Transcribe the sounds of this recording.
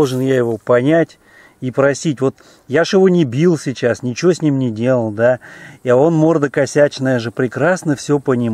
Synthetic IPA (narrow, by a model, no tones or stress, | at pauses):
ʐɨnjajɪvo̞pɐnʲætʲ | ipɾɐsʲitʲvo̞t̪ | jaʂjɪvo̞nʲɪbʲilˠsʲɪt͡ɕasnʲɪt͡ɕɪvosʲnʲimnʲɪdʲe̞lˠəlˠd̪aiao̞nmo̞rd̪əkɐsʲæt͡ɕnəjəʐɨpɾʲɪkɾasnəfsʲɵpənʲɪm